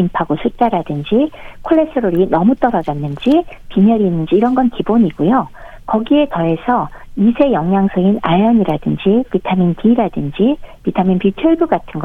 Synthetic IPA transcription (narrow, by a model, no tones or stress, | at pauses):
impʰaɡosʰut͡ɕ͈aɾadɯnd͡ʑikʰoɭːe̞s͈ɯɾoɾinʌmut͈ʌɾʌd͡ʑanːɯnd͡ʑipimʌɾiːnːɯnd͡ʑiːɾʌnɡʌnkiboɲiɡ̥ujo | kʌɡie̞tʌe̞sʰʌ | isʰe̞jʌŋjaŋsʰɯinaʎːʌɲiɾadɯnd͡ʑipitʰaminpiːɾadɯnd͡ʑipitʰaminpitʰɯɭbuɡatʰɯnɡʌ